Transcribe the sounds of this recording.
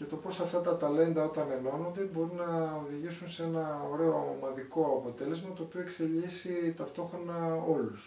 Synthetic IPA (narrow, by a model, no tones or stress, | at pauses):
ʝɐt̪o̞po̞sɐft̪ɐt̪ɐt̪ɐle̞nd̪ɐo̞t̪ɐne̞no̞no̞nd̪ebo̞ɾinɐoðiʝisunsee̞nɐo̞ɾe̞o̞mɐðiko̞ɐpo̞t̪e̞le̞zmɐt̪oːpioekse̞ʎisit̪ɐft̪o̞xɾo̞nɐo̞lus